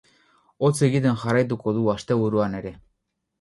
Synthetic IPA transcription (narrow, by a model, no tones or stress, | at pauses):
ot͡seɣit̪enxarajt̪̬ukoðuast̪e̞βuɾuane̞ɾe̞